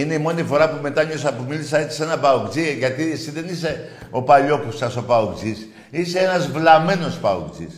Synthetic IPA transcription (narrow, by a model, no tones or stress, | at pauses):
ine̞imo̞nifo̞ɾɐpume̞t̪ɐɲos̬ɐpumilisɐet͡si̥senɐbɐokd͡ziʝɐt̪iesiðe̞nise̞ | o̞pɐʎo̞kusɐso̞pɐokd͡zis | ise̞enɐzvlɐme̞no̞spɐokd͡zḭs